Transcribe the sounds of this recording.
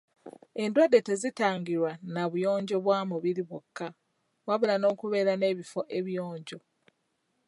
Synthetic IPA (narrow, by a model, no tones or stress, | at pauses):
e̞ndwadːe̞te̞zitaːŋɡiɾwanaβujo̞ːɲɟo̞βwaːmuβiɾiβokːa | waβulano̞ːkuβe̞ːɾane̞ːβifo̞ʔe̞βjo̞ːɲɟo̞